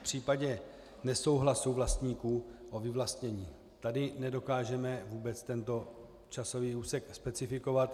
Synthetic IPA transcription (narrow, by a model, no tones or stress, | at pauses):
pr̝̥iːpaɟɛ | nɛso̞wɦlasuvlast̪ɲiːkuːʔo̞vɪvlast̪ɲɛɲiː | t̪adɪnɛdo̞kaːʒɛmɛvuːbɛt͡st̪ɛnt̪o̞ | t͡ʃaso̞viːuːsɛkspɛt͡sɪfɪko̞vat̪